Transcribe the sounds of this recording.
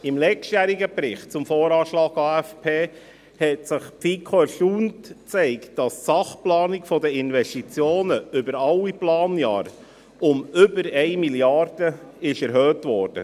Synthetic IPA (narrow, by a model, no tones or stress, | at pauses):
ɪmlɛktjæːɾiɡəbɾɪχt̚t͡sʊmfoːɾɑːʃlɑːɡɑːɛfpʰeː | hɛtsɪχpfikʰoɛɾʃuːntt͡sɛɪktd̥ɑssɑχplɑːnɪkfɔdəɪnvɛstit͡sjoːnəʏbəɾɑlːiplɑːnjɑ̰ːɾ | ʊmʏbəɾɛɪmiljɑrd̥əɪʃɛɾɦøːtvʋɔɾd̥ə̰